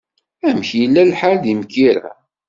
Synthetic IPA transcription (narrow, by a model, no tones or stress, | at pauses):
æmçjəlːælħald̪imkːiɾæ̰